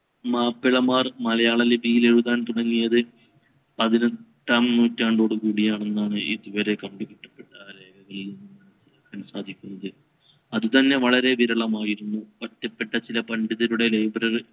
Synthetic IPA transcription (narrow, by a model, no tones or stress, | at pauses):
maːpːiɭɐmaːrmɐlɐjaːɭɐlebʱijile̞ɻuðaːɳt̪uɽɐŋːijɐðɨ | ɐðinɐt̪ːaːmnuːtːaːɳɖoɽukuːɽijaːɳe̞nːaːɳɨʔiðuʋɐɾe̞kɐɳɖikiʈːɐ̥pːe̞ʈːɐle̞ːɡɐɣɐɭiln | kɐnsaːd̪ʱikʲːunːɐðɨ | ɐðut̪ɐnːe̞ʋɐɭɐɾe̞ʋiɾɐɭɐmaːjiɾunːupɐtːɐpːe̞ʈːɐt͡ɕilɐpɐɳɖiðɐluɽe̞lejbɐɾɐrɨ